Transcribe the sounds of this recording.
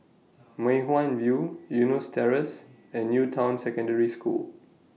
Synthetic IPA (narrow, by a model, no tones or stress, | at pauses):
mẽɦwãnvjujunostʰɛɹəs | ɛ̃nːjutʰãw̃nsɛkə̃ndəɹiskṵl